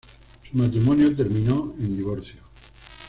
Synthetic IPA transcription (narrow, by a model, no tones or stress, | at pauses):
sumat̪ɾimõnjot̪̬e̞ɾmĩnoend̪iβ̞oɾθjo